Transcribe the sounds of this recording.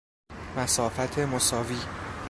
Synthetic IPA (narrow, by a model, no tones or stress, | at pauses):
mæsɒːfæt̪ʰe̞mosɒːviː